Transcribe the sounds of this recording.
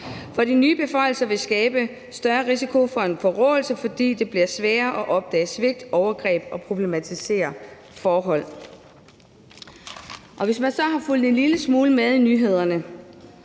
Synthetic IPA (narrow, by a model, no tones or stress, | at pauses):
fɒ̽dinyːb̥e̝fɒ̽ɪ̰l̩sɐʋe̝sɡ̥ɛːb̥ə | sd̥ɶɐʁisikʰo̝fɒ̽e̝nfɒ̽ʁɔ̰̽ːl̩səfɒ̽d̥ḭːd̥e̝b̥liɐsʋɛːɐʔɒ̽ʔɒ̽b̥̚d̥ɛ̰ːsʋe̝ɡ̥̚d̥ɒʊɐɡ̥ʁɛ̰ːb̥ɒ̽pʰʁo̝b̥le̝mæt͡sʰise̝̰ːɐ | fɒːɦɒ̽l̰ | ʔɒ̽ʋe̝smænsɒ̽ɦɑ̈ful̰d̥e̝nliləsmuːləmeðˠinyːɦe̝ð̞ˠɐnə